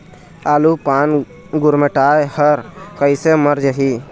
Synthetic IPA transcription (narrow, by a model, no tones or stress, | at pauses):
aːlupaːn | ɡʊɾmeʈaːjhəɾkəjseməɾd͡ʒəɦi